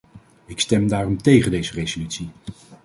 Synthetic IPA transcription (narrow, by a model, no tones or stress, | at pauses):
ɪkstɛmdaːrɔmtejχəndejzərejzolytsi